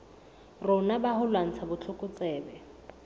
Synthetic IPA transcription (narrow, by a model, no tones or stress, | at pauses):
rʊnabahʊlwan̩t͡sʰabʊt͡ɬʰʊkʼʊt͡sʼɛːbɛ